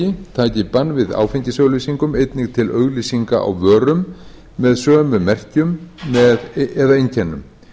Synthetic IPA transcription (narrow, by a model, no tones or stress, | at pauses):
ɪt̪ʰaːcɪpanːvɪða̰ːwfɪɲcɪsœɣlisiŋkʏmejt̪nɪɣt̪ʰɪlœɣlisiŋkaʔa̰wvœːɾʏmː | ɛðsœːmʏmɛr̥cʏmːɛðɛðaejncʰɛnːʏ̰m